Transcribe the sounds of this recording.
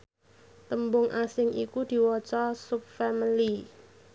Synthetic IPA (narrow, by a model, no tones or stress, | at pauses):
t̪əmbʊŋʔasɪŋʔḭkud̪̥i̤wɔt͡ʃɔsup̚fɛmili